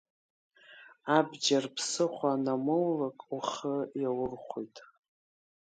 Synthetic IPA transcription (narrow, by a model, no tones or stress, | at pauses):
abd͡ʒarpʰsɨχʷaːnamɨwlakʼuχəjawʊrχʷojtʼ